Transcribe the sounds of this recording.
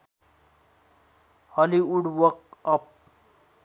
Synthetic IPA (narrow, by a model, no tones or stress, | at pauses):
hʌliuɽwʌkʌp̚